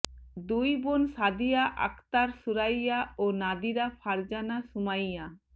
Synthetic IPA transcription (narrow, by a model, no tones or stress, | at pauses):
d̪ujbonsad̪ijaʔa̰kt̪aɾsuɾajaonad̪iɾapʰaɾd͡ʑanasumajja